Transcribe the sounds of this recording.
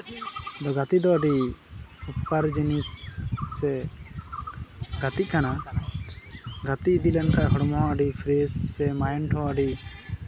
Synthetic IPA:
d̪ɔɡat̪id̪ɔəɖi | upkaɾd͡ʒinisː | ɛ | ɡat̪ikʰana | ɡat̪iʔd̪ilɛnkaʔɦɔɽmɔɦɔ̃əɖipʰɾesːɛmajnʈʰɔ̃əɖi

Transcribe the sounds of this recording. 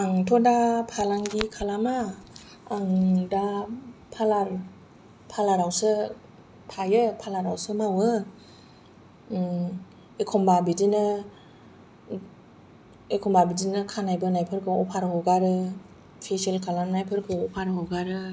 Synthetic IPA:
aŋtʰɔdapʰalaŋɡikʰalamaː | ŋdapʰalaɾ | pʰalaɾawsɯ | pʰajɯpʰalaɾawsɯmawɯ | ekʰɔmbabidinɯ | ekʰɔmbabidinɯkʰanajbɯnajpʰɯɾkʰɯɔpʰaɾɦɔwɡaɾɯ | pʰeselkʰalamnajpʰɯɾkʰɯɔpʰaɾɦɔwɡaɾɯ

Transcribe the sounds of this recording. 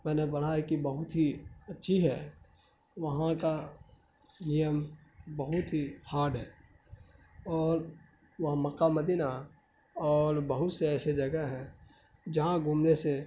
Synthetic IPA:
mɛ̃ːnebəɽ̤ajekibəɦʊt̪ɦiətːʃʰiɦɛ̰ | ʋɐɦãka | ijəmbəɦʊt̪ɦihaːɾɖɦɛː | ɔːɾ | ʋəɦməkaməd̪ina | ɔːɾbəɦʊt̪seɛːsed͡ʒɐɡəɦɛ̃ | d͡ʒɐɦãɡʱumnese

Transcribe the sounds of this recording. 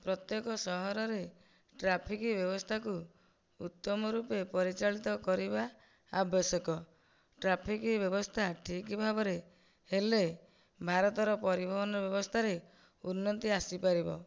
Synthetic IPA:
pɾɔt̪jekɔsɔɦɔɾɔɾe | ʈɾapʰikibjɔbɔst̪ʰaku | ut̪ːɔmɔɾupepɔɾit͡ʃaɭit̪ɔkɔɾibaː | bɔsɔkɔ | ʈɾapʰikibjɔbɔst̪ʰaʈʰikibʱabɔɾe | hele | bʱaɾɔt̪ɔɾɔpɔɾibʱɔbɔnɔbjɔbɔst̪ʰaɾe | unːɔt̪iasipaɾibɔ̰

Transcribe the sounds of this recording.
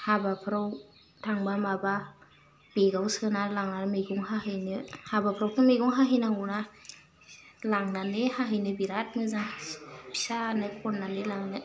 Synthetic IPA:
habapʰɾaw | tʰaŋbamaba | b̥iɡawsɯnalaŋnaɾmeɡuŋhahɯjnɯhabapʰɾawtʰɯmeɡuŋɦaɦijnaŋuna | laŋnanɯhaɦɯjnɯbiɾat̚mɯzaŋpʰi̥sanɯpʰɔnːanɯlaŋnɯ

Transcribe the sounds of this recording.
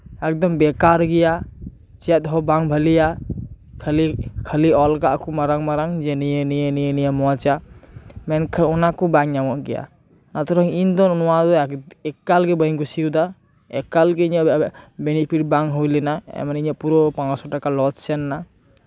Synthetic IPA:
ɛk̚d̪ɔmbɛkaɾɡija | t͡ʃɛt̪̚ɦɔbaŋbʱəlija | kʰəlikʰəliɔlkaʔkʰumaɾaŋmaɾaŋd͡ʒenijenijenijenijamɔat͡ʃamɛnkʰɔnakɔbaŋjawɔʔɡija̰ | nat̪ʰɔɾaŋind̪ɔnnɔwad̪ɔɛkːalɡebəjŋɡusiud̪a | ɛkːalɡeiɲabenipʰiʈ̚baŋɦujlenaɛ̰maniɲapuɾɔpaŋasɔʈakalɔt͡ʃsɛnːa

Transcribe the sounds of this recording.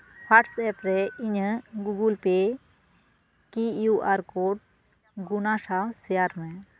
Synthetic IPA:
pʰaʈsɛp̪ɾɛiɲəɡuɡulpe | kijuʔaɾkoʈ̚ | ɡunasasɛjaɾmɛ̃

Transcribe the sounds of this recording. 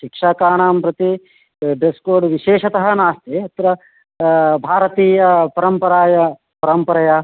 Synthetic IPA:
ʃikʂaːkaːɳaːmpɾɐt̪i | ɖeskoːɾɖʋiʃeːʃɐt̪ɐɦɐnaːst̪eɐt̪ɾɐ | bʱaːɾɐt̪iːjɐpɐɾɐmpɐɾaːjɐ | pɐɾɐmpɐɾɐjɐ

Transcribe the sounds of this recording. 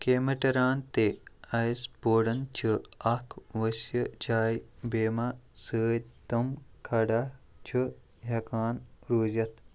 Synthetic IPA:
keːmɐʈɐɾaːnt̪eɐsboːɽɐnt͡ʃʰɨɐkʰʋɐsjəd͡ʒaːjbeːmasəːt̪ɐmkʰɐɖa | t͡ʃʰɨ | ɦɐkaːnɾuːzɐt̪ʰ

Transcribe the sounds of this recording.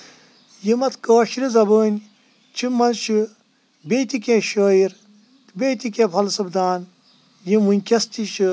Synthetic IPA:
jimɐt̪koːʃiɾizɐboːnʲ | t͡ʃʰimːɐnʃɨ | bet̪ikʲẽʃoːiɾ | bet̪ikʲẽːpʰɐlsɐbd̪aːn | jimunʲkʲɐst̪iʃɨ

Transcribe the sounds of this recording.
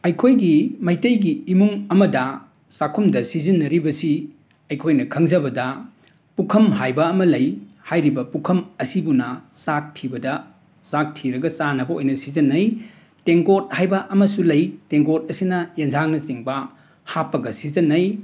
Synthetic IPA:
ɐjkʰojɡimɐjtɐjɡiːmuŋɐmɐdɐ | sakʰumdɐsizinːɐɾibɐsi | ɐjkʰojnɐkʰɐŋzɐbɐdɐ | pukʰɐmɦajbɐːmɐlɐjhajɾibɐpukʰɐmɐsibunɐsak̚tʰibɐdɐ | sak̚tʰiɾɐɡɐsanɐbɐojnɐsizɐnːɐj | teŋɡot̚hajbɐʔɐmɐsulɐjteŋɡot̚ɐsinɐjend͡ʒaŋnɐsiŋbɐ | hapːɐɡɐsizɐnːɐj

